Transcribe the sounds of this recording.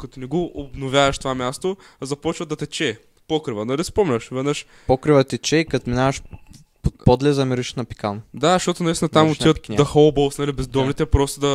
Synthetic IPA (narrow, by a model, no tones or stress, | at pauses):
kɐt̪onɛɡoʔobnovʲjavɐʃt̪ovamʲjast̪o | zɐpɔt͡ʃvɐd̪ɐt̪ɛt͡ʃɛ | pɔkɾivənɐlispɔmlʲəʃvɛd̪nəʃ | pɔkɾivət̪ɛt͡ʃɛikɐt̪minavɐʃ | popɔd̪lɛzɐmiɾiʃnɐpi̥kand̪aʃt̪ɔt̪ʊnɐvist̪ɛnɐt̪amot̪ʲivət̪nd̪ɐxolˠbolˠsnɐlibɛzd̪ɔmnit̪ɛpɾɔst̪od̪ɐ